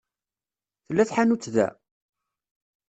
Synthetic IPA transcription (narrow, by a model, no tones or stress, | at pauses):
θəlːæθħanut͡sːðæ̰